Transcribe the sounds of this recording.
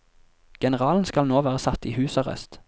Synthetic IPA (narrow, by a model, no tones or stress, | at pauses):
ɡ̥ɛnəʁɑːln̩skɑlnoːʋæːʁəsɑt̪iːhʉːsɑʁɛ̰st̪